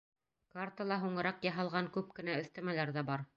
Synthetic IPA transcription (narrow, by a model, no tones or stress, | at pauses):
kart̪alˠɑɦuɴɤ̆ɾɑqjɑɦɑlˠʁɑŋkʉp̚kɘ̆næɵ̆θt̪æmælæɾðæbɑɾ